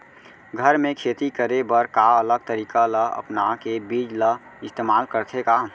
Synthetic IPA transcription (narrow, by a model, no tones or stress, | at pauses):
ɡʱəɾmẽkʰeːt̪ikəɾebəɾkaələɡ̚t̪əɾiːkaləə̰pnakebiːd͡ʒlə | ɪst̪eːmaːlkəɾt̪ʰeka